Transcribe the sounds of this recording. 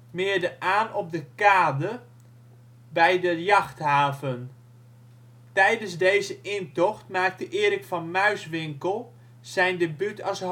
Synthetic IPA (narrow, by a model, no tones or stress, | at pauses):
mɪədəʔaːnɔp̚dəkaːdə | bɛjdəjɑxtɦaːvən | tɛjdənzdejzəʔɪntɔxtmaːk̚təʔɪəɾɪkfɑnmœɥsʋɪŋkəlˠ | sɛjndəbytʰɑs